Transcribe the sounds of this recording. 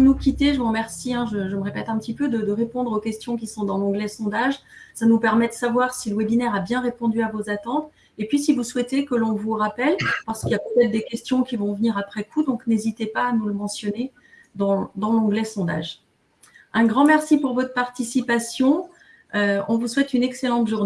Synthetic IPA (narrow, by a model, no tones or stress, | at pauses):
nukʲit̪eʒəvuʁəmɛʁsiɛ̃ʒəʒəməʁepɛt̪ɛ̃pət̪ipød̪əd̪əʁepɔ̃d̪ʁokʲɛst̪jɔ̃k̬ʲisɔ̃d̪ɑ̃lɑ̃ɡlɛsɔ̃d̪aʒsanupɛʁmɛd̪əsavwaʁsiləwebinɛʁabjɛ̃ʁepɔ̃d̪yavozat̪ɑ̃t̪ | epɥisivuswɛt̪ekəlɔ̃vuʁapɛlpaʁsə̥kiljapøt̪ɛt̪̚d̪ekʲɛst̪jɔ̃kʲivɔ̃vəniʁapχɛkud̪ɔ̃knezit̪epaːnuləmɑ̃sjɔne | d̪ɑ̃d̪ɑ̃lɑ̃ɡlɛsɔ̃d̪a̰ʒ | ɛ̃ɡʁɑ̃mɛʁsipuʁvɔt̪χpaʁt̪isipasjɔ̃ | øɔ̃vuswɛt̪ynɛkselɑ̃t̪ʒuʁne